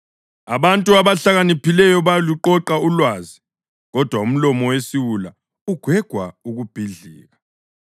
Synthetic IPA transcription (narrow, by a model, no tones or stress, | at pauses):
a̰βantʼuaβaɬaɣanipʰilɛjɔβaluǃɔǃaulwaːzi | ɣɔd̥ʱwaum̩lɔmɔwesiwula | uɡ̥ʱwɛɡ̥ʱwauɣub̥ʱiɮiːɣa